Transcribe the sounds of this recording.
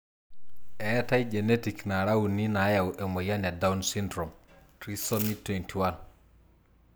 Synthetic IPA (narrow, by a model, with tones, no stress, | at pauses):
ɛ˨ta˦id͡ʒe˨ne˦ti˨kna˨ɾa˦wu˨nːi˦na˨˦ja˨wʔe˨mo˨ja˦ne˨da˦unsi˦ndɾo˨mtɾi˦so˦mi˦tːwe˨ntʰi˨wan